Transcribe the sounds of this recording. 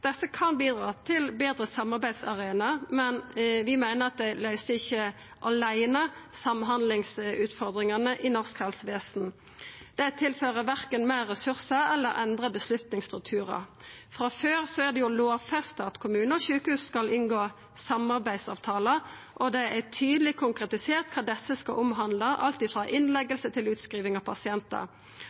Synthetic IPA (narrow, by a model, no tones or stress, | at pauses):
d̪̥ɛsːəkʰɑnbiːd̪ɾʁɑ̰ːt̪ʰɪlbeːd̪ɾəsɑmɑʁbæɪd̪sɑʁeːnɑmɛnʋɪmæɪnəɾɑt̪̚d̪ɛlœʏsəɪçːə | ʔɑlæɪnɑsɑmɦɑnd̪lɪŋsʉːt̪fɔʁd̪ʁɪŋɑnəʔɪnɔʁskhɛlsʋeːsn | d̪̥ɛt̪ʰɪlføːʁəʋæʁkənmæːʁːɛsʉʁsəɛlːəɾʔɛnd̪ʁəbəslʉt̪nɪŋst̪ʁʉk̚t̪ʰʉːʁɑ̰fʁɑføːʁsɔæd̪ɛjʊloːʋfæʁst̪ɑːt̪kʰʊmʉːnəɔçʉːkəhʉːsskɑlɪnɡoː | sɑmɑʁbæɪd̪sɑ̰ːʋt̪ʰɑːlə | ʔɔd̪ɛæt̪ʰyːd̪əlɪkʰʊŋkʁɛt̪ɪseːʁt̪kʰɑːd̪ɛsːəskɑʔʊmɦɑnd̪ləʔɑ̰lt̪iːfʁɑːʔɪnlɛɡəlsət̪ʰɪlʉːt̪skʁiːʋɪŋɑʋpʰɑsɪɛnt̪ə̰